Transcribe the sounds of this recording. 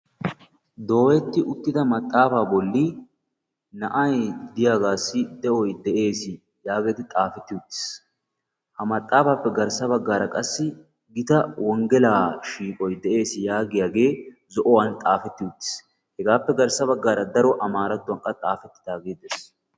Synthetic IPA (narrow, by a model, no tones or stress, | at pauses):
d̪o̞ːwɛt̪ːɪʔʊt̪ːɪd̪ɐmɐt̪ʼːaːfaːbɔlːi | nɐʔɐjd̪ɪjaːɡaːsːɪd̪ɛʔɔjd̪ɛʔe̞ːsɪ | jaːɡe̞ːt̪ɪt̪ʼaːfɛt̪ːɪʊt̪ʼːɪ̥s | hɐmɐt̪ʼːaːfaːpːɛɡɐɾsɐbɐɡːaːɾɐkʼɐsːɪ | ɡɪt̪ɐwɔŋɡɛlaːʃiːkʼɔjd̪ɛʔe̞ːsɪjaːɡɪjaːɡe̞ː | zɔʔɔwant̪ʼaːfɛt̪ːɪʊt̪ʼːɪ̥s | hɛɡaːpːɛɡɐɾsɐbɐɡːaːɾɐd̪ɐɾɔʔɐmaːɾɐt̪ːʊwɐŋkʼɐt̪ʼaːfɛt̪ːɪ̥d̪aːɡeːd̪ɛs